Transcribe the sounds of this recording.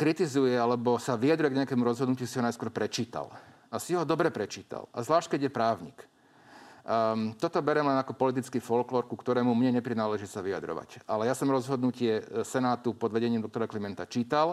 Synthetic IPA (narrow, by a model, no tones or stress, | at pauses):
kɾit̪izujɛalɛbɔsaʋijad̪ɾujɛɡɲɛakɛːmuɾɔzɦɔd̪nucɪusiɦɔnajskwɔɾpɾɛt͡ʃiːt̪a̰l | asiɦɔd̪ɔbɾɛpɾɛt͡ʃiːt̪a̰la̰zlaːʃc̚kɛɟjɛpɾaːʊɲḭk | t̪ɔt̪ɔbɛɾɛmlɛnakɔpɔlit̪̬it͡skifɔlklɔːɾkukt̪ɔɾɛːmumɲɛɲɛpɾinaːlɛʒisaʋija̰d̪ɾɔ̰ʋa̰calɛjasɔmɾɔzɦɔd̪nucɪɛsɛnaːt̪upɔd̪ʋɛɟɛɲiːmd̪ɔkt̪ɔɾaklimɛnt̪at͡ʃiːt̪al